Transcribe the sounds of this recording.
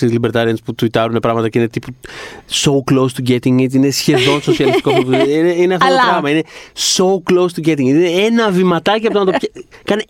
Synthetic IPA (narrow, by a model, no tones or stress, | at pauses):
izlibe̞ɾt̪ɐɾiɐnsput̪uit̪ɐɾune̞pɾɐɣmɐt̪ɐceine̞t̪ipusouklowst̪uɟe̞t̪iŋit̪ine̞sçe̞ðo̞nso̞siɐlist̪i̥kopoineineɐθooɾɣɐɣmɐine̞so̞uklowst̪uɟe̞t̪̬iŋineenɐvimɐt̪ɐciɐpot̪onɐt̪opçɐkɐne